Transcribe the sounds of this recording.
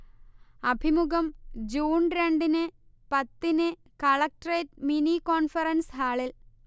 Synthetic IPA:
ɐbʱimuɣɐmd͡ʑuːnɾeɳɖinɨ | pɐt̪ːinɨ | kɐɭɐk̚ʈreːʈ̚minikoːnfɐrɐnsɦaːɭil

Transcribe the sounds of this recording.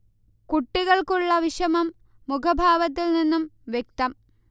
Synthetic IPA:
kuʈːiɣɐɭkuɭːɐʋiʂɐmɐmː | ukʰɐbʱaːʋɐt̪̬ːilninːumʋjek̚t̪ɐm

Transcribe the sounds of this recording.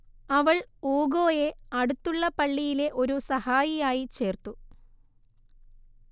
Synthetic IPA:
ɐʋɐɭoːɡo̞ːjeɐɽut̪ːuɭːɐpɐɭːijile̞ʔo̞ɾusɐhaːjijaːjit͡ɕe̞ːrt̪u

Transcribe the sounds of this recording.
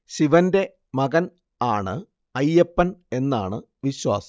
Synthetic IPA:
ɕiʋɐnde̞ | mɐɣɐn | aːɳɨ | ɐjːepːɐne̞nːa̰ːɳɨ | ʋiɕwa̰ːsɐ̥

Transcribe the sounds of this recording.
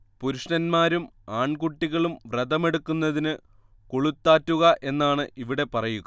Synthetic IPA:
puɾuʂɳɐnmaːɾumaːɳkuʈːiɣɐɭumʋrɐðɐme̞ɽukːunːɐðinɨ | koɭut̪ːaːtːuɣɐʔe̞nːaːɳɨʔiʋiɽe̞pɐrɐjuɣɐ

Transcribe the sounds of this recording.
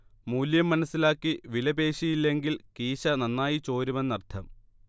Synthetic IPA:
muːljɐmːɐnɐsːilaːkːiʋilɐbe̞ːɕijilːe̞ŋɡilkiːɕɐnɐnːaːjit͡ɕo̞ːɾumenːɐrt̪ʰɐm

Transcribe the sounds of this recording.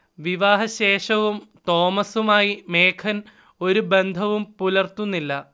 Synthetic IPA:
ʋiʋaːɦɐɕeːʂɐʋumt̪o̞ːmɐsumaːjimeːkʰɐn | o̞ɾube̞nd̪ʱɐʋumpulɐrt̪unːilːɐ

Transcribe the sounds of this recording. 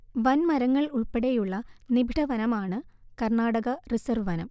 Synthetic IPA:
ʋɐnmɐɾɐŋːɐɭuɭpeɽejuɭːɐnibʱiʈɐʋɐnɐmaːɳɨkɐrɳaːɽɐɣɐrisɐrʋʋɐnɐm

